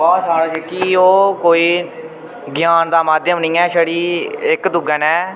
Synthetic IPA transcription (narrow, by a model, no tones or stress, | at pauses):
baːsaːɽaːt͡ʃekiːoːkoːiː | ɡɪjaːnd̪aːmaːd̪jəmnĩːɛːʃəɽiːɪkd̪ʊɡənɛː